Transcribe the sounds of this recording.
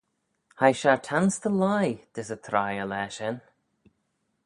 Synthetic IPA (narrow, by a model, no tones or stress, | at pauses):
hajʃaɹtʰanst̪ʰəlajd̪̥ɪsət̪ʰɾajəlɛːʃɛn